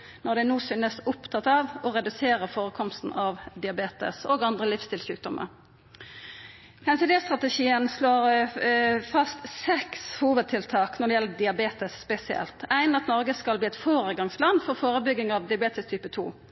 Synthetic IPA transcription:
nɔʁd̪ɛnuːsʏnəsʊpt̪ʰɑt̪ɑːʋɔʁɛd̪ʉseːʁəfoːʁəkʰɔmst̪n̩ʔɑʋd̪ɪɑbeːt̪ə̰soːɡɑnd̪ʁəlɪfst̪ɪlɕʉːk̚d̪ɔmʔə̰ʁ | hɛnsɪleːst̪ʁɑt̪əʂiːənsloːʁ | fɑst̪sɛkshuːʋəd̪̚t̪ʰɪlt̪ʰɑːknɔʁɖ̪ɛjɛləd̪ɪɑbeːt̪əsːpɛsɪɛ̰lt̪ʰæɪnɑt̪nɔʁɡəskɑlbliːɛt̪foːʁəɡɑŋslɑnːfɔʁfoːɾəbʏɡɪŋɑʋd̪ɪɑbeːt̪əst̪ʰyːpət̪ʰṵː

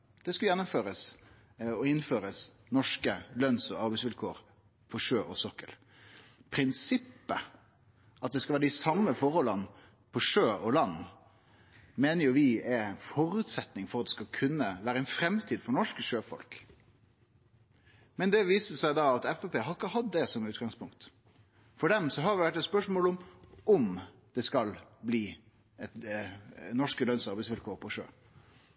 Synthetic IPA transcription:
d̪̥ɛskɑjɛnːʊmføːɾəs | ɔɪnføːɾəs | nɔʂkəlœnsɔɑɾbɛɪsʋɪlkʰoːɾ | pʰɔʂøːʔɔsɔkːəl | pʰɾɪnsɪpːə | ʔɑt̪̚d̪ɛskɑʋæːɾd̪ɪsɑmːəfɔɾhɔlːən | pʰɔʂøːɔlɑnː | meːnəɾjʊʋɪɛɾæɪnfɔɾʉːt̪sɛt̪nɪŋfɔɾɑt̪d̪ɛskɑkʰʉnːəʋæːɾəæɛnfɾɛmt̪ʰiːd̪fɔɾnɔʂkəʂøːfɔ̰lk | mɛnd̪ɛʋiːsəsæɪd̪ɑɑt̪ɛfɛpeːɦɑɾɪkːəhɑd̪ːɛsɔmʉːt̪ɡɑŋspʰʊŋkt̪ | fɔɖɛmsɔɦɑɾʋɪʋæʈːɛt̪spœʂmoːlɔmɔm | d̪̥ɛskɑlbliː | ɛt̪ | nɔʂkəlœnsɑɾbæɪsʋɪlkʰoːɾpʰɔʂø̰ː

